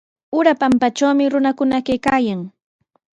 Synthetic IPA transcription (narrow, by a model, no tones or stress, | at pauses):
ʊɾapampat͡ʃawmɪɾʊnakʊnakajkaːjaŋ